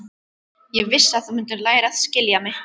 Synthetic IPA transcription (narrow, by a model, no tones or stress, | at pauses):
jɛɣvɪsːaðθumʏnt̪̬ʏɾlaːjɾaðscɪljamɪ